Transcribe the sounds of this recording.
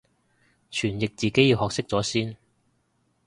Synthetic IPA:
t͡ʃʰyː˨˩njɪ˨k̚t͡siː˨ke˨˥jiː˧whɔː˨k̚sɪ˥k̚t͡sɔː˨˥siː˥n

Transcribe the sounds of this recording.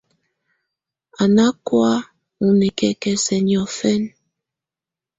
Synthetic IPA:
a˨na˦kwa˦ | ŋu˨ne˨kɛ˦kɛ˦sɛ˨ɲ˨ɔ˨fɛ˦n

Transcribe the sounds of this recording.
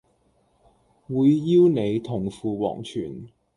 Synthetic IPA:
wuː˨˧jːiː˥wne˨˧jt̪ʰʊ˨˩ŋfuː˨˧wɔ̰ː˨˩ŋt͡ʃʰyː˨˩n

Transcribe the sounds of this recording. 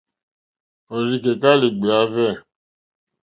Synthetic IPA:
ɔ˨ɾi˦ke˨ka˦li˨ɡ͡be˨a˨˦vɛ˦˨

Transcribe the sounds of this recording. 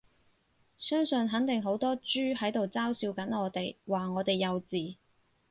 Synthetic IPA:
sœː˥ŋsɵ˨˧nɦɐ˨˥nt̪ɪ˨ŋɦo˨˥wt̪ɔː˥t͡ʃyː˥hɐ˨˥jt̪o˨wt͡saː˥wsiː˧wkɐ˨˥nŋɔː˨˧t̪e˨jwaː˨˩ŋɔː˨˧t̪e˨jːɐ˨˧wt͡siː˨

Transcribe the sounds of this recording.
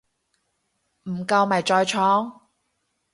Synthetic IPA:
m̩˨˩kɐ˧wmɐ˨jt͡ʃɔː˧jt͡ʃʰɔː˨˥ŋ

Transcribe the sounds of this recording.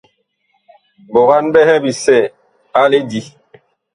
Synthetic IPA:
bo˨ɣa˦nbɛ˦hɛ˦bi˨sɛ˦˨ | a˦le˦di˦

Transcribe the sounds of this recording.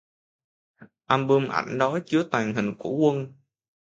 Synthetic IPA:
ʔaː˧mɓɨ˧mʔa̰˧˩jŋ̟ɗɔ˨˦t͡ɕɨ˨˦ət̪aː˨˩ŋɦï˨˩ŋ̟ku˧˩əkwə˧n

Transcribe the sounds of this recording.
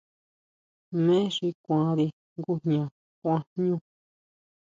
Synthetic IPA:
mẽ˦ʂi˧kʷã˧ɾi˧ | ŋɡu˦ɲã˨ | kʷã˧ɲũ˧

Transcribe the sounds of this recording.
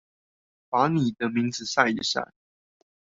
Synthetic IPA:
pa˧˥˦ni˨˩d̪ə˦mi˧˥ŋd͡zɹ̩˨sa˥˩i˨˩ʂa̰˥˩

